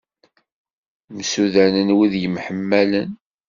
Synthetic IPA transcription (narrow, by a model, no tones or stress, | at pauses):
msuðænənwiðjəmħəmːælən